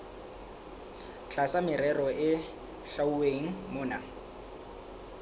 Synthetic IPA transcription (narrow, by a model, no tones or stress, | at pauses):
t͡ɬʰasamɪɾɛrɔʔɪ | ʃauweŋ̩mʊːna̰